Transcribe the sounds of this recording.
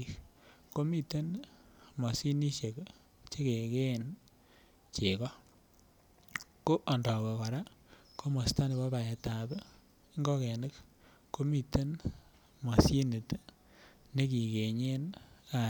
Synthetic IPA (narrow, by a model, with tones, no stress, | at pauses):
kko˦mi˦te˦nmɔ˨si˦ni˦ʃe˨k | t͡ʃe˦ke˨ke˦˨n | t͡ʃe˨kɔ˦ | ko˦ʔɔ˨ndɔ˨we˨kɔ˨ɾa˦ko˦mɔ˨sta˦nɪ˨bɔ˦ba˨je˨ta˨b | ŋɡɔ˦kɛ˨nɪ˦k | ko˦mi˦te˦n | mɔ˨si˦nɪ˨t | ne˦ki˨ke˨ɲe˦na˨